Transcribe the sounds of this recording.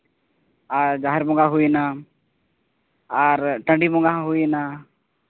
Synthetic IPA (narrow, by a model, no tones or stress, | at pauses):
aɾd͡ʒaɦɛɾbɔ̃ŋɡaɦuna | aɾʈə̃ɳɖibɔ̃ŋɡaɦɦujna